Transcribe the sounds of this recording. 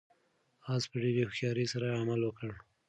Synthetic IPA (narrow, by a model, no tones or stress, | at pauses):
ɑspəɖeɾexjɑɾesaɾaamalwəkəɽ